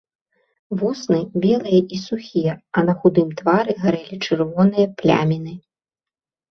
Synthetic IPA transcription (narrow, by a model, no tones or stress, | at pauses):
vɔsnɨbʲɛlˠɨjɐʔisuxʲijɐɐnɐxud̪ɨmt̪vaɾɨɣaɾɛlʲit͡ʂɨrvɔnɨjɐplʲa̰mʲinɨ